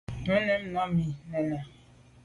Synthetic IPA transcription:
tɛ̃˦nɛ̃˦m˨nã˦mĩ˨nɛ˨nã˨

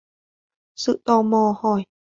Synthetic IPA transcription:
sɯ˧˨ʔt̪ɔː˧˩mɔː˧hɔː˧˩j

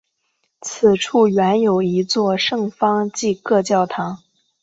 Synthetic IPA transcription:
t͡sʰɹ̩˨˩ʈ͡ʂʰu˥˩ɥɛ˧˥njo˨˩ʊi˧˥t͡swɔ˥˧ʂɤ˥˩ŋfɑ˥ŋt͡ɕi˥˧kɤ˥˧t͡ɕjɑ˥˩ʊt̪ʰɑ˧˥ŋ

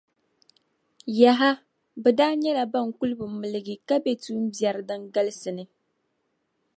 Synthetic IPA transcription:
ja˨ɦa˦ | bɛ˨daː˦ɲɛ˦la˨ba˦˨ŋ˨ku˦lɨ˦bɨ˨˦mɨ˨lɨ˨ɡɪ˨ka˦bɛ˨tu˦m̩˦bja˨ɾɨ˨dɨ˦ŋɡa˦lɨ˦sɨ˨nɨ˨

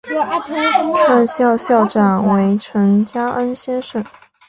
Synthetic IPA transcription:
ʈ͡ʂʰwa˥˧nɕjɑ˥˧ʊɕjɑ˥˩ʊʈ͡ʂa˨˩nwe˧˥ɪʈ͡ʂʰɤ˧˥ŋt͡ɕja˥ʔə˥nɕjɛ˥nʂə˥˩n

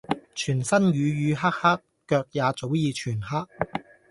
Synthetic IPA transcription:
t͡ʃʰyː˨˩nsɐ˥nɥyː˨˧jyː˨˧ɦaː˥k̚haː˥kːœː˧k̚jaː˨˧t͡so˨˥wjiː˨˧t͡ʃʰyː˨˩nɦaː˥k̚

